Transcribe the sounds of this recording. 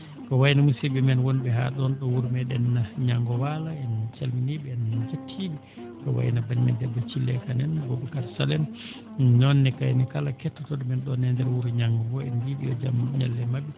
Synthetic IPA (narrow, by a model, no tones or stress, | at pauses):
kɔwajnamusibimɛnwɔnɓɛɦa̰ɗɔnɗɔwuɾmɛɗɛnːaɲaŋɡɔwalaɛnt͡ʃalminiɓɛɛnd͡ʒatʰːiɓi | kɔ̰wa̰jnabanimɛ̰ndɛdːɔt͡ʃilːɛkanɛnɡɔbɛkaɾsalɛn | nɔnːɛkajnikalakɛtːɔtɔɗɔmɛnɗɔnɛndɛɾwuɾɲaŋɡɔɡɔɛnwiɓiɔd͡ʒa̰mɲa̰lːɛmabi